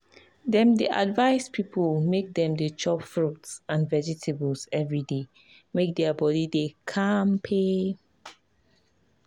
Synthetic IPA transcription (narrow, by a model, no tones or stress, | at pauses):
dɛ̃mdəʔa̰dvaɪspʰipʰəlmek̚dɛ̃mdət͡ʃɔpfɹutsãnvɛd͡ʒitʰebəlsɛvɹide | mek̚dɛabɔdidekʰãmpʰe